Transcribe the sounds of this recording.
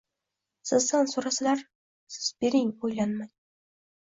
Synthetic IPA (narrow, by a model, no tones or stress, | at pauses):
sɪzd̪ansoɾasalaɾ | sɪ̥z̥beɾɪŋojlanmaj